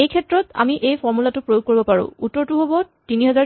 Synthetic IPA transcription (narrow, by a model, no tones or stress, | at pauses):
ejkʰɛtɹɔta̰miʔejpʰɔɹmulatʊpɹojoɡ̚koɹibɔpaɹṵ̃utːɔɹtuɦobɔ | tiniɦɛza